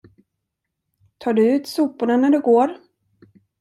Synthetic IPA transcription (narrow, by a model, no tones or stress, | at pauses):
t̪ʰɑːɖɵʉ̟ːt̪suːpʊɳanæɖɵɡoːɾ